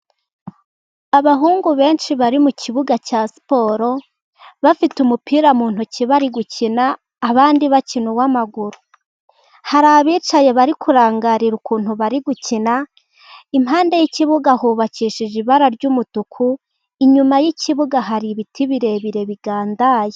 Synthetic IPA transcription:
aβaɦuːŋɡuβe̞ːnʃiβaɾimucʰiβuɡacasi̥po̞ːɾo̞ | βafitumupiːɾamuːn̥huciβaɾiɡucinaː | βaːndiβacinuwamaɡuɾu | haɾaβiːt͡ʃaje̞βaɾikʰuɾaːŋɡaɾiɾukuːn̥huβaɾiɡucina | imhaːndejiciβuɡahuβaciːʃiʒiβaɾaɾɟumutukʰu | iɲumajiciβuɡaɦaɾiβitʰiβiɾe̞βiɾe̞βiɡ̥aːndaːje

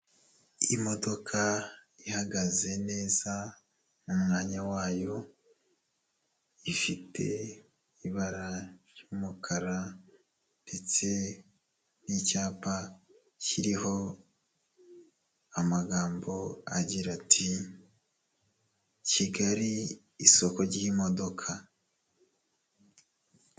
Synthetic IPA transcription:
imo̞do̞kʰaihaɡaze̞ne̞ːza | mumŋaːɲawaːjo̞ | ifitʰe̞̰ | iβaɾaɾjuːmukʰaɾa | nde̞t͡se̞ | nicaːpa | ciɾiho̞ | amaɡaːmbo̞a̰ɟiɾatʰi | ciɡaɾiː | so̞ko̞ɾɟiimo̞do̞kʰa

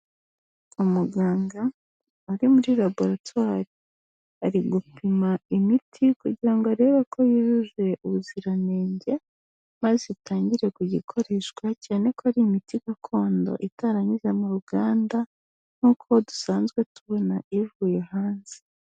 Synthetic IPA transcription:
umuɡaːŋɡaː | ɾimuɾilabo̞ɾatwaːɾi | aɾiɡupimaimitʰikuɟiɾaŋɡoaɾe̞ːβako̞jiʒuʒwe̞ʔuβuziɾane̞ːɲɟe̞ | mazetʰaːɲɟiɾe̞kuɟikʰo̞ɾeːʃɡwacaːne̞koaɾimitiɡakʰo̞ːndo̞̰ʔitaɾaɲiʒamuɾuɡaːnda | n̥huːkʰo̞du̥saːnzɡwe̞tuβo̞naivuːjehaːnze

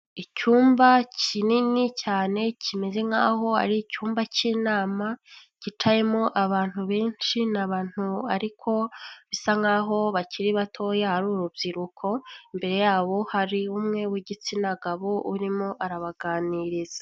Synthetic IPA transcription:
icuːmbacininicaːne̞cʰimeze̞ŋaːɦo̞a̰ɾiːcuːmbaciːnaːmacit͡ʃaje̞moʔaβaːn̥huβe̞ːnʃinaβaːn̥uaɾikʰo̞βisaŋaːɦo̞βaciɾiβatʰo̞ːjahaɾuːɾubjiɾukʰo̞imbe̞ɾe̞jaːβo̞haɾiumŋe̞wiɟit͡sinaɡaβoṵɾimo̞ʔaɾaβaɡaːniɾiza

